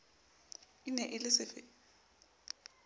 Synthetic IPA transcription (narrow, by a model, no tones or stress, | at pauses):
inɛʔɪlɪsɪfɪ